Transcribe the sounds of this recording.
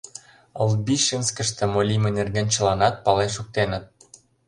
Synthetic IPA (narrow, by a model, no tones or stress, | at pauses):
ə̰lbiʃənskə̆ʃt̪ĕmolʲimĕnerɣenʲt͡ɕə̆lɑnɑt̪̚pɑleʃuk̚t̪enə̆t̪̚